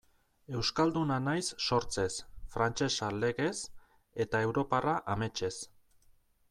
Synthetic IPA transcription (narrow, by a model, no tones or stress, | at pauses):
e̞wskald̪unanajsːo̞ɾt͡se̞sfɾant͡ʃe̞sale̞ɣe̞s | e̞t̪ae̞wɾo̞paraʔame̞t͡ʃe̞s